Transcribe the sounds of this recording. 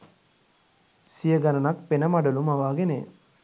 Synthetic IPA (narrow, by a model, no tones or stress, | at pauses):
sijəɡanɐnakpenəmaɖɐlumaʋaːɡenḛ